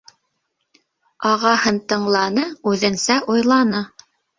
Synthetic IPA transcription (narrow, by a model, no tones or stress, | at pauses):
ɑʁɑhɤnt̪ɤ̆ɴlˠɑnɤʉðɘ̆nsæʔujlˠɑnɤ